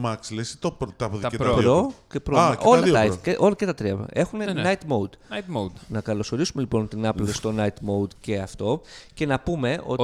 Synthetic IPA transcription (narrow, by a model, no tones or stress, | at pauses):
mɐkslesi̥t̪opɾt̪ɐpoðeɾɐpɾocepɾoeolɐðɐioɐeʔolɐcet̪ɐt̪ɾiɐ̰e̞xunenɐjt̪mowd̪nt̪mod̪nɐkɐlo̞so̞ɾisume̞lipo̞nt̪inɐplest̪o̞nɐjt̪mo̞wd̪ce̞ɐft̪o̞ce̞nɐpume̞ʔo̞̰